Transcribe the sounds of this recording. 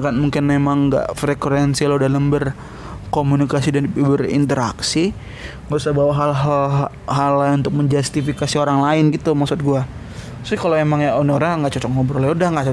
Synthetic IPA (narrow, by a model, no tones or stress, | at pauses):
kanmuŋkɪnmemaŋɡa̰ʔfɾekuɾɛnsiladaləmbər | komunikasidanbərḭnt̪əɾaksi | ŋɡausabawaɦal | ɦalaunt̪ʊk̚məɲd͡ʒast̪ifikasioɾaŋlaɪnɡit̪umaksʊt̪̚ɡua | sɪkaloemaŋjanoɾaŋaŋɡaʔt͡ʃɔt͡ʃɔk̚ŋɡabəɾolɛudahŋɡaʔt͡ʃɔ